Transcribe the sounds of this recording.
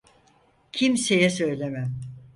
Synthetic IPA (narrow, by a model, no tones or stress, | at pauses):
cʰimse̞jɛsø̞jlʲemæm